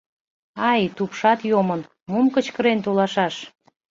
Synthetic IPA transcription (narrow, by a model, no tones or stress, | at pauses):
ɑjt̪upʃɑt̪jomən | mumkə̆t͡ɕkə̆ɾent̪olɑʃɑʃ